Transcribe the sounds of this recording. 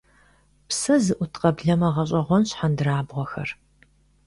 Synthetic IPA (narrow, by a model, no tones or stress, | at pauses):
psɐzɨʔʷʊtʰqɐbɮɐmɐʁɐɕ̬ʼɐʁʷɔnɕħandɨraːbʁʷɔxɐ̰r